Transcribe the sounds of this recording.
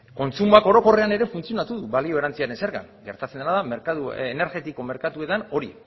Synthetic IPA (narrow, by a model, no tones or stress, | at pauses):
ko̞nt͡sumuako̞ɾo̞ko̞re̞ane̞ɾe̞funt͡sio̞nat̪uðuβalio̞eɾant͡siaɾe̞nse̞ɾɣa̰ŋɡe̞ɾt̪at͡sed̪enaðameɾkat̪uene̞ɾɣe̞t̪iko̞me̞ɾkat̪ue̞t̪ano̞ɾi